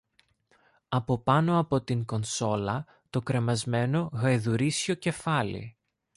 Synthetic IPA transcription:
ɐpo̞pɐno̞ɐpo̞t̪iŋko̞nso̞lɐ | t̪o̞kɾe̞mɐzme̞no̞ɣɐjðuɾisço̞ce̞fɐlḭ

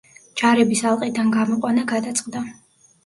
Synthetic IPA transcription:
d͡ʒaɾɛbisalˠqʼid̪anɡamɔqʼwanaɡad̪at̪sʼqʼd̪a

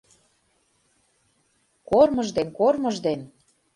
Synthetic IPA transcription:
kormɤ̆ʒd̪enkormɤ̆ʒd̪en

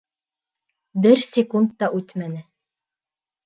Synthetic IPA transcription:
bɘɾsʲɪkund̪ːɑʔʉt̪mænɘ

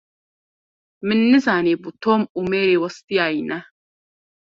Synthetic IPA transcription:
mɪnːɪzaːneːbut̪oːmumeːɾewɐst̪ijaːjnɐ

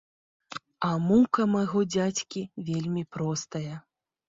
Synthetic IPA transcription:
ɐmukɐmɐɣɔd͡zʲat͡sʲkʲivʲelʲmʲipɾɔst̪ɐjɐ

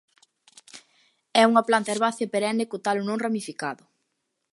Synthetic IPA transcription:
ɛuŋɐplant̪ɐeɾβaθjapeɾɛnekot̪alʊnõŋramifikaðʊ

